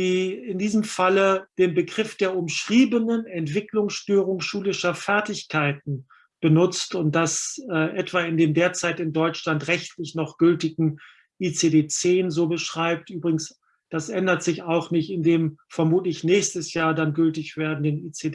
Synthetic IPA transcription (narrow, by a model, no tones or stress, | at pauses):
d̥iːɪndiːzəmfaləd̥eːnbəɡʁɪfd̥eːɐʊmʃʁ̥iːbənənɛntv̥ɪklʊŋsʃtøːʁ̞ʊŋʃuːlɪʃɐfɛɐtɪçkʰaɪtn̩ | b̥ənʊt͡stʊnt̚d̥asɛːʔɛtv̥aːɪndeːmdeːɐt͡saɪtɪndɔʏt͡ʃlantʁɛçtʰlɪçnɔχɡ̥ʏltɪɡŋ̩ | ʔit͡sedeːt͡seːnzoːbəʃʁ̥aɪp̚tʔyːbʁɪɡŋ̩s | d̥asʔɛndɐtz̥ɪçaʊxnɪçtɪndeːmfɛɐmuːtlɪçnɛːçstəsjaːɐdanɡʏltɪçv̥eːɐdn̩dəniːt͡se